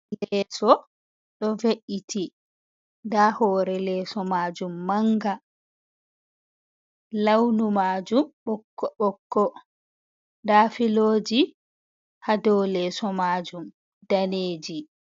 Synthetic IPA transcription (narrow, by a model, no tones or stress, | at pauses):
lɛːsɔ | ɗɔveʔitʰi | dahɔːɾɛlɛːsɔmaːd͡ʒumːaŋɡa | lawnumaːd͡ʒumɓɔkːɔɓɔkːɔ | daːfiloːd͡ʒi | hadɔwlɛːsɔmaːd͡ʒum | d̥aneːd͡ʒi